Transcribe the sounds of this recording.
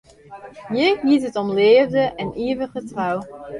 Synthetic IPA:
jəɦitɦətɔmleːvdəʔɛnʔiːvəχətraw

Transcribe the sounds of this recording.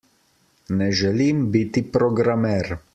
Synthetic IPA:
nɛʒɛlimbit̪ipɾɔɡɾamɛɾ

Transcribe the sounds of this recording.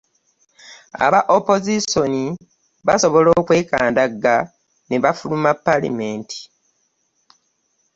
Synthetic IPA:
a̰βaʔopo̞ziso̞ni | βaso̞βo̞lo̞ːkwe̞ːka̰ːndaɡːa | neβafulumapːalḭmeːntʰi̥

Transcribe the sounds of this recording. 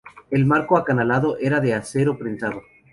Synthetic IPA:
e̞lmaɾkoakanalaðo̞ʔe̞ɾaðe̞ase̞ɾopɾensaðo̞

